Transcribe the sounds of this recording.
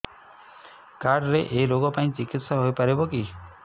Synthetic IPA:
kaɖɾeʔeloɡɔpaĩt͡ʃikit̪ʃaɦojpəɾebɔki

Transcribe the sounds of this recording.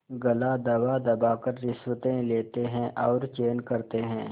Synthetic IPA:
ɡɐlaːd̪ɐwaːd̪ɐbaːkəɾːɪswət̪ẽleːt̪eɦɛ̃ʔɔːɾt͡ʃeːnkɐɾt̪eɦɛ̃ː

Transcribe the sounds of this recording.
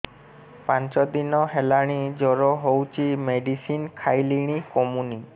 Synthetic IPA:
pant͡ʃɔd̪inɔɦelaɽ̃id͡ʒɔɾɔɦowt͡ʃʰimeɖisinkʰajliɽ̃ikɔmuni

